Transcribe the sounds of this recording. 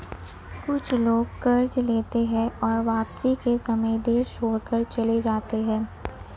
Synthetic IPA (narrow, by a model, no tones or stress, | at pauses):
kʊt͡ʃʰloːɡ̚kɐɾd͡ʒleːt̪eɦɛ̃ɔːɾʋaːpsikesɐməjd̪eːɾʃoːɽkəɾt͡ʃɐled͡ʒaːt̪eɦɛ̃ː